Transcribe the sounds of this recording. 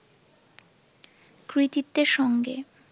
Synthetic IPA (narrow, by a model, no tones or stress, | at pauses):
kɾit̪it̪ːeɾʃɔŋɡe